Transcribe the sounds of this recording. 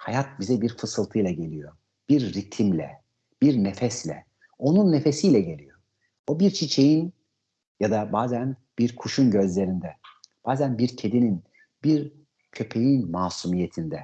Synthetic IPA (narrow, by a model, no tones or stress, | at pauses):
hajat̪̚bizɛbiɾfɯsɯlˠt̪ʰɯjlˠaɟe̞lʲijo̞ | b̥iɾːit̪ʰimlʲɛ̰ | b̥iɾnefɛslʲɛ̰ | o̞nunːe̞fe̞sijlʲɛɟe̞lʲijo̞ | obiɾt͡ʃʰit͡ʃʰe̞jin | jad̪abaːzænb̥iɾkʰuʃunɟø̞zlʲe̞ɾind̪ɛb̥aːzænbiɾcʰe̞d̪inin | biɾ | cʰø̞pʰe̞jinmaːsumije̞t̪ʰind̪ɛ